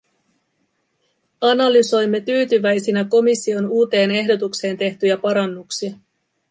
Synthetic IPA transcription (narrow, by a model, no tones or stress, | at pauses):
ɑnɑlyso̞jmːe̞t̪yːt̪yʋæjsinæko̞misːio̞nuːt̪e̞ːne̞ɦdo̞t̪ukse̞ːnt̪e̞ht̪yjæpɑɾɑnːuksiɑ